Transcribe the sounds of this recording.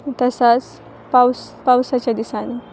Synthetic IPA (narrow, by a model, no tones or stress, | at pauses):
t̪ɐsat͡s | paws | pawsat͡ɕad̪isani